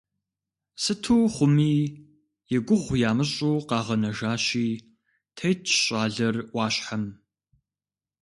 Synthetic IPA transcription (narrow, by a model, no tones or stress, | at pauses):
sɨtʰuːχʷʊmiː | jɛɡʷʊʁʷjaːmɨɕʼuːqɑːʁɐnɐʒaːɕiː | tʰɐjt͡ʃʰɕʼaːɮɐrwɑːɕħam